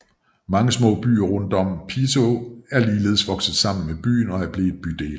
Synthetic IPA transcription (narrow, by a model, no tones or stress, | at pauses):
mɑ̈ŋəsmɔ̰ːb̥y̰ːɐʁɔnd̥ɒ̽m̰pʰisʰoæɐliːle̝̰ðˠsʋɒ̽ɡ̥səð̩ˠsɑ̈m̰n̩meb̥y̰ːnɒ̽æɐb̥le̝̥ːb̥yd̥e̝̰ːl